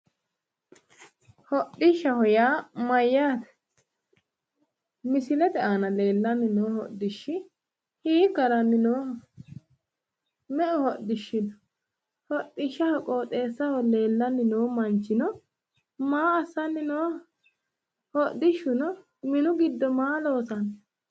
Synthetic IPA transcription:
hɔɗɪʃːɐhɔjaːmɐjːaːt̪ɛ̥ | mɪsɪlɛd̪ɛʔaːnɐle̞ːlːɐnːɪnoːhɔʔd̪ɪʃːɪ | hiːkːɐɾɐmɪnoː | mɛʔʊhɔd̪ɪʃːɪdɔ | hɔt̪ːɪʃːɐhɔkʼoːt̪ʼeːsːɐhɔle̞ːlːɐnːɪnoːmɐnt͡ʃːɪnɔ | maːɐsːɐnːɪnoː | hɔd̪ɪʃːʊnɔ | mɪnʊɡɪd̪ːɔmaːloːsɐn

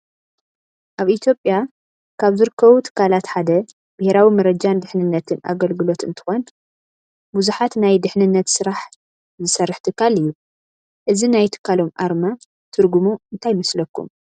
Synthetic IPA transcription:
ʔaβit̪ʰjo̞pʼja | kʰaβzɨɾɨkʰːɐβut̪ʰɨ̥kʰːalat̪ħad̪ɐ | b̥ɪheɾawimɐɾɐd͡ʒand̪ɨħnɨnːɐt̪ʰɨna̰ɡɐlɡɨlo̞t̪ɨnt̪ʰɨ̥xon | buzuħat̪najd̪ɨħnɨnːɐt̪sɨɾaħ | zɨsɐrːɨħt̪ʰɨkʰːalɨjːu | ʔɨzinajt̪ʰɨ̥kʰːalo̞mʔa̰ɾma | t̪ʰɨɾɡumuɨnt̪ʰajmɐslɐkʰːṵm

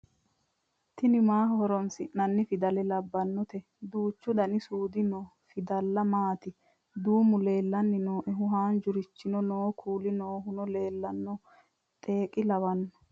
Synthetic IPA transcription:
t̪ɪnɪmaːɦhɔɾɔnsɪnɐnːɪfɪd̪ɐlɛlɐbːɐnːɔt̪ɛ | d̪uːt͡ʃːʊd̪ɐnɪsuːd̪ɪnɔː | fɪd̪ɐlːɐmaːt̪ɪ | d̪uːmʊle̞ːlːɐnːɪnoːʔɛɦʊɦaːnd͡ʒʊɾɪt͡ʃːɪnɔnoːkʰuːlɪnoːɦʊnɔle̞ːlːɐnːɔ | t̪ʼeːkʼɪlɐwɐnːɔ̥

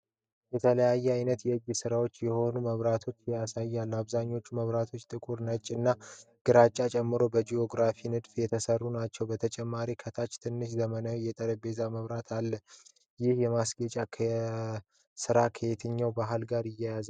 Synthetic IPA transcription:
jɛt̪ʰələjajːɛajnət̪jɛd͡ʒːɪsɨɾawo̞t͡ʃːjɛho̞numəβɾat̪ʰo̞t͡ʃːjasajːalːaβzaɲːo̞t͡ʃːuməβɾat̪ʰo̞t͡ʃːt̪ʼɨkʼuɾnət͡ʃʼːɨnːa | ɡ̥ɨɾat͡ʃʼːat͡ʃʼɛmːɨɾo̞bəd͡ʒio̞ɡɾafinɨd̪fjɛt̪ʰəsərːunat͡ʃːɛwbət̪ʰət͡ʃʼɛmːaɾikʰət̪ʰat͡ʃːt̪ʰɨnːɨʃzəmənawijɛt̪ʼəɾəbe̞zaməβɾat̪ʰalːə | jɪhjɛmasɡet͡ʃʼakʰə | sɨɾakʰəet̪ʰɨɲːawbaɦɨlɡaɾɪjːajaz

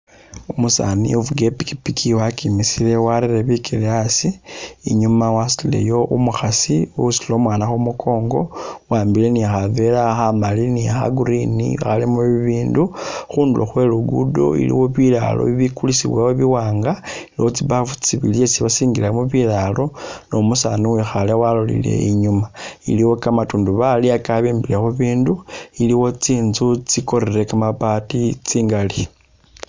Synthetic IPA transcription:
umusa̰nḭuvuɡe̞piki̥pikʰiwakimisile̞waɾireβikʰeleasiiɲumawasilile̞̰jo̞ʔumuxasiusilo̞mwaːnaxomukʰo̞ːŋɡo̰waːmbile̞niaxave̞laxamaliniaxa̰ɡuɾinḭa̰xalimuβiβiːnduxuːnduloxwe̞luɡudo̰ḭlḭwo̞βila̰lo̞̰βiβikulisḭβwawoβiwaːŋɡailiwo̞t͡siβavut͡siβḭljesiβasiːŋɡilamuβilalo̞no̞musanuwexalawalolḭle̞̰iɲumaḭliwo̞kamatuːnduβaliakaβembilexuβiːnduiliwo̞t͡siːnzut͡siko̞ɾeɾe̞kamapatit͡siːŋɡali

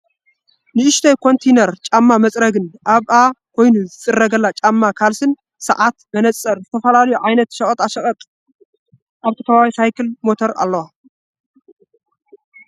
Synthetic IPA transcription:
nɨʔɨʃt̪ʰɐjkʰo̞nt̪ʰejnɐɾt͡ʃʼamːamɐt͡sʼɾɐɡɨnʔaβʔakʰo̞jnuzɨt͡sʼɨrːɐɡɐlːat͡ʃʼamːakʰalsɨn | sɐ̰ʕat̪bɐnɐt͡sʼːɐɾzɨt̪ʰɐfɐlalɐjuʕajnɐt̪ʃɐkʼɐt̪ʼaʃɐχʼɐt̪ʼ | ʔaβt̪ʰɐ̥kʰɐβaβisajkʰɨlmo̞t̪ʰoɾa̰lːɐwa

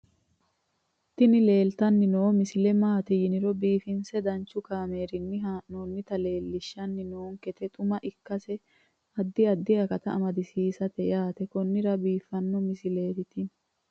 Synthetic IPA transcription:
t̪ːɪnɪle̞ːlt̪ɐnːɪnoːmɪsɪlɛmaːt̪ɛjɪnɪɾɔbiːfɪnsɛd̪ɐnt͡ʃːʊkaːme̞ːɾɪnːɪɦaːʔnoːnːɪt̪ɐle̞ːlːɪʃːɐnːɪnoːŋkɛt̪ɛt̪ʼʊmɐʔɪkːɐsɛ | ɐd̪ːɪɐd̪ːɪɐkɐt̪ɐʔɐmɐd̪ɪsiːsɐt̪ɛjaːt̪ɛkɔnːɪɾɐbiːfːɐnːɔmɪsɪle̞ːɾɪt̪ɪ

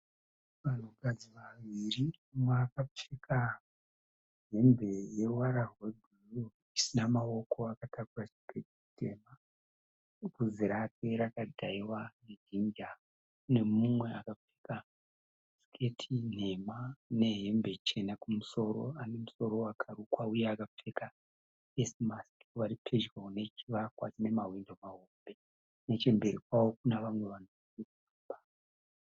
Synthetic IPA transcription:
ʋan̤ukad͡ziʋaʋirimumweakafikʰa | ɦe̞mbe̞je̞waɾaɦodʱuu | isinamao̞ko̞akatakurat͡ʃi̥kʰetii̥tʰe̞ːma | kuziɾapeɾakadʱaiwaned͡ʒind͡ʒa | ne̞mumwe̞akap͡fi̥ka | skʰe̞tʰin̤e̞mane̞ɦe̞mbe̞t͡ʃe̞nakumuso̞ɾo̞̰ane̞muso̞ɾo̞wakʰaɾukwaujeakap͡feka | esmaskʋaɾipʰe̞ʒrone̞t͡ʃiʋakwa̰t͡ʃine̞maɦwindo̞maɦombe̞ | ne̞t͡ʃe̞mbe̞ɾikwawo̞kunaʋamwe̞ʋan̤o | ikuumba

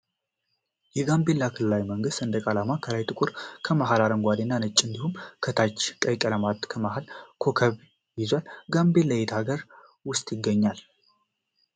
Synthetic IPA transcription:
jɛɡambelːakʰɨlɨlajməŋɡɨst̪ɨnd̪əkʼalamakʰəlajt̪ʼɨkʼuɾkʰəmaɦalaɾəŋɡʷad̪enːanɨt͡ʃʼːɨnd̪ihumkʰət̪ʰat͡ʃːkʼəjkʼələmat̪kʰəmaɦalkʰo̞kʰəβ | jɪzwalɡambeləjet̪ʰaɡəɾ | wʊst̪ʼjɪɡːəɲːal

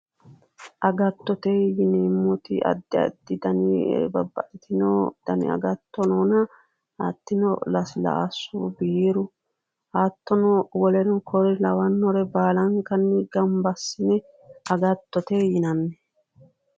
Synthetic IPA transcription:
ʔɐɡɐt̪ːɔt̪ejɪneːmːɔt̪ɪ̰ɐ̰d̪ːɪɐ̰d̪ːɪd̪ɐnɪ̰bɐbːɐ̰ʔɪt̪ɪnɔd̪̥ɐnɪ̰ɐ̰ɡɐt̪ːɔnoːnɐ | at̪ːɪnɔ̰lɐsla̰sːubieɾʊ | aːt̪ːɔnɔwɔlɛɾɔkʰɔɾɪlɐwɐnːɔɾɛbaːlɐŋkɐnːɛɡɐmbɐsːɪnɛ | ɐɡɐt̪ːɔt̪ejɪnɐnːɛ

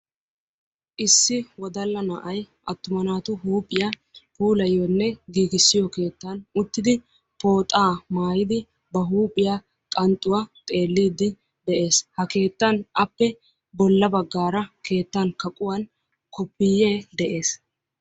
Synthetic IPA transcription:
ʔɪsːɪwɔd̪ɐlːɐnɐʔɐj | ʔɐt̪ːʊmɐnaːt̪ʊɦuːpʼːɪjaː | huːlɐjːɔnːɛɡiːɡɪsːɪjɔke̞ːt̪ːanʊt̪ːɪd̪ɪ | po̞ːt̪ʼaːmaːjɪd̪ɪ | bɐɦuːpʼɪjaː | kʼɐnt̪ʼːʊwaːt̪ʼe̞ːlːiːd̪ːɪ | d̪ɛʔe̞ːshɐke̞ːt̪ːɐnʔɐpːɛ | bɔlːɐbɐɡːaːɾɐkʰe̞ːt̪ːɐnkɐkʼʊwɐn | kʊpːɪjːeːd̪ɛʔe̞ːs

